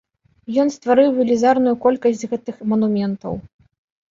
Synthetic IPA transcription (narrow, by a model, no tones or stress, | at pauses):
jɔnst̪vaɾɨwvʲɛlʲizarnujukɔlʲkɐsʲt͡sʲɣɛt̪ɨxmɐnumʲɛnt̪ɐ̰w